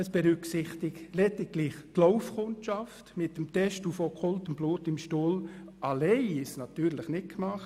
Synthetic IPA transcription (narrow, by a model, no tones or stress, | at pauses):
əsb̥ɛɾʏksɪχt̪ɪktlɛtɪtlɪχtloʊfkʰʊntɑftmɪtːəmt̪ɛʃtufokʰɔltəmb̥luːtɪmʃtuːlɑleɪɪsnɑt̪yːɾləχnɪt̚kmɑχt